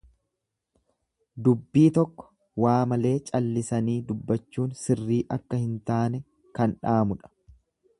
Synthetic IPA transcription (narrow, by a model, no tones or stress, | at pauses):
d̪ʊbːiːt̪ɔkːɔ̥ | waːmɐle̞ːt͡ʃʼɐlːɪsɐniːd̪ʊbːɐt͡ʃːuːnsɪrːiːʔɐkːɐhɪnt̪aːnɛ | kɐnᶑaːmʊᶑɐ̥